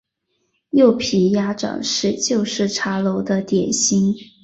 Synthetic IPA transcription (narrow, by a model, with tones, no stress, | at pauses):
jo˥˩ʊpʰi˧˩ja˥ʈ͡ʂɑ̰˨˩ŋʂɻ̩˥˧t͡ɕjo˥˧ʊʂɻ̩˥˩ʈ͡ʂʰa˧˥lo˧˥ʊd̪ə˧t̪jɛ˨˩nɕi˥ŋ